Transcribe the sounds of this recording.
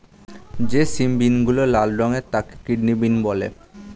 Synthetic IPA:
d͡ʑesimbinɡulolalɖɔŋet̪ake̥kiɖnibinbɔlḛ

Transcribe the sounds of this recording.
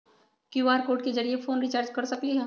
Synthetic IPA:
kjuaːɾkoːʈked͡ʒɐɾiefoːnɾit͡ʃaːɾd͡ʒkɐɾsɐkliɦɛː

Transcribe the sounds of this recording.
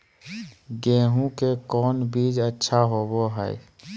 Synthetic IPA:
ɡẽːɦũkekɔːnbiːd͡ʒətːʃʰaɦoːboɦəj

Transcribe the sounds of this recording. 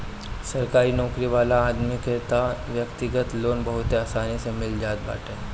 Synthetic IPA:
sɐɾkaːɾinɔːkɾiʋaːlaːd̪mɪket̪aʋjɐkt̪ɪɡət̪loːnbɐɦʊt̪eaːsaːnisemɪld͡ʒaːt̪̚ba̰ːʈẽː

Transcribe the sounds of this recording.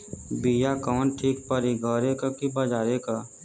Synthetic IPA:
bijakɔːnʈʰiːk̚pəɾiɡʱəɾekakibɐd͡ʒaːɾeka

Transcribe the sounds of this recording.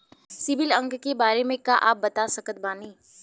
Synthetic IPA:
sɪʋɪlɐ̃ŋɡkebaːɾemẽkaʔaːp̚bɐt̪asɐkət̪̚baːniː

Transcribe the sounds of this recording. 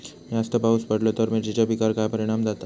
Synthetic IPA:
mĩast̪əbauspəɽlot̪əɾmid͡ʑid͡ʑabikaɾkajpəɾiɽ̃amd̪at̪a

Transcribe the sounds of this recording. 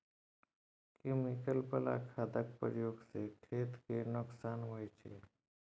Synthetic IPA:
kemɪkəlpəla̰kʰaːd̪ək̚pəjoːɡsekʰeːt̪kenʊksaːnɦoet͡ʃʰḛ

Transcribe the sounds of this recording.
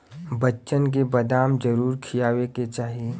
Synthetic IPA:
bɐtːʃənk̬ebɐd̪aːmd͡ʒɐɾuːɾkʰijaːweket͡ʃaːɦie

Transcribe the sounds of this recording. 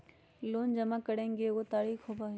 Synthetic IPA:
loːnd͡ʑɐmakɐɽẽŋɡeot̪aːɾiːxɦobaɦ

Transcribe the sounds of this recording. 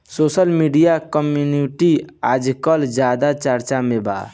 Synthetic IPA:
sosəlmiɖijakəmjuniʈiad͡ʒkəld͡ʒad̪at͡ʃəɾt͡ʃameba̰

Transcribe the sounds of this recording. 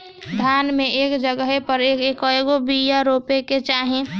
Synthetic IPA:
d̪ʱaːnmẽʔeːkd͡ʒəɡəɦepəɾeːkeːkəeɡobijaɾoːpeket͡ʃaːɦẽ

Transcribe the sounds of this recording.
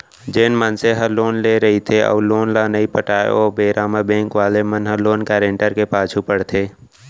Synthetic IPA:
d͡ʒeːnmənseɦəloːnleɾɐɦit̪ʰeʔɔ̰ːloːnlanəipəʈaːḛoːbeːɾaːmabẽːŋkʋaːlemənɦəloːnkɛːɾẽɳʈəɾkepaːt͡ʃʰupəɽt̪ʰeː

